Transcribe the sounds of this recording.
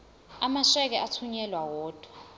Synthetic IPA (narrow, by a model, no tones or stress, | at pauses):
amaʃɛk̬ɛʔatʰuɲɛlwawɔːd̥ʱʼɔ̥